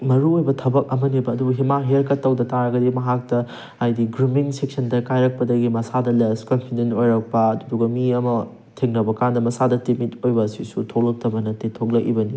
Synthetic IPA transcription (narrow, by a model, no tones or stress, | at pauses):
mɐɾuojbɐtʰɐbɐk̚ɐmɐnibɐːdubuɦimaɦeɾkɐtːɐwdɐtaɾɐɡɐdimɐɦak̚tɐː | jdiɡɾimiŋsek̚sɐndɐkajɾɐk̚pɐdɐɡimɐsadɐleskonpʰidenojɾɐk̚pɐɐduduɡɐmiɐmɐ | tʰeŋnɐbɐkandɐmɐsadɐtimitojbɐːsisutʰok̚lɐk̚tɐbɐnɐtetʰok̚lɐkibɐni